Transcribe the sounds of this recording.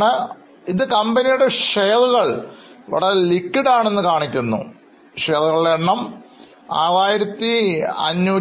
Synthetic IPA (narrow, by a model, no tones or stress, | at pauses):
ɳɨ | iðɨkɐmbɐnijuɽe̞ʂejɐðuɣɐɭʋɐ̰ɭɐlikːiɽaːɳe̞nːɨkaːɳikʲːunːṵ | ʂejɐðuɣɐɭɽeɳːɐm | a̰ːɾaːjiɾɐt̪ːiɐ̰ɲːuː